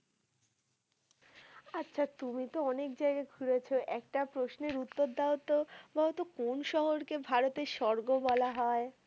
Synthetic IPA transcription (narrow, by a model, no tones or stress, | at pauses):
atːɕʰat̪umit̪oɔnek̚d͡ʑaeɡaeɡʱuɾet͡ɕʰoʔɛkʈapɾosneɾut̪ːoɾd̪aot̪ːobaot̪okonʃɔɦoɾkebʱaɾot̪eɾʃɔɾɡobɔlaɦɔe